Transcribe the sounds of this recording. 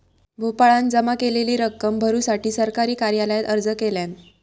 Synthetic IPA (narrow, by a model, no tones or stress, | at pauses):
bʱopaɭãnd͡zəmakeleliːɾəkːəmbʱəɾuːsaʈiːsəɾkaɾiːkaɾjaləjat̪əɾd͡zəkeljãn